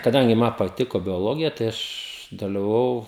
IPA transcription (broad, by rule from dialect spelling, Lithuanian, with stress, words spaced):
kɐˈdɐŋʲɡʲɪ ˈmɐ pɐˈtʲɪkoː bʲoːˈlˠoːɡʲɪjɛ tɐɪ ˈɐʃ dɐlʲɪʋɐˈʋɐʊ